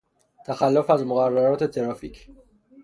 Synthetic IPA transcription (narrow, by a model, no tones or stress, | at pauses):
t̪ʰæxælːofæzmoɣærːæɾɒːt̪ʰe̞t̪ʰeɾɒːficʰ